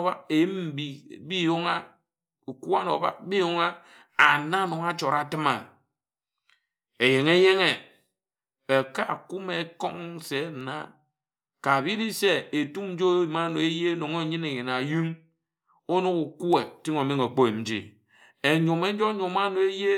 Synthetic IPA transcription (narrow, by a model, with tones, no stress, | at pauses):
a˦e˨ji˦m̩˦bi˨bi˦jo˦ŋa˦ | u˨ku˦a˦no̰˨ba̰˦k̚bi˦jo˦ŋa˦ | a˨na˦no˨ŋa˦t͡ʃo˨ɾa˨tɨ˦ma˨ | e˨je˨ŋe˦je˦ŋe˨ | e˨ka˦˨ku˦me˨˦ko̰˦ŋ˦se˨˦˨na̰˦ | ka˨bi˦di˦se˦e˨tu˦mn̩˦d͡ʒo˦e˦ji˨ma˦no˨e˦je˦no˨ŋe˦˨˦ɲi˦ne˨je˨na˨ju˦ŋ | o˦no˦ku˨ku˦e˨ti˦ŋo˨me˦ŋo˨k͡po˦e˨n̩˦d͡ʒḭ˦ | e˨ɲo˨me˦d͡ʒo˦ɲo˨ma˦no˨e˦je˦